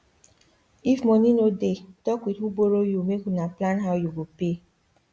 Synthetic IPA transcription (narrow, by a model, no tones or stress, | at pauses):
ifmɔnĩnoded̥ɔkwitwuboɾojumekunaplanɦawjuɡope